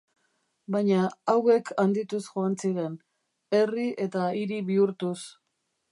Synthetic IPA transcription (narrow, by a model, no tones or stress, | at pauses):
bajɲaawe̞kʰand̪it̪usʝo̞ansiɾe̞n | e̞riʔe̞t̪aiɾiβiuɾt̪us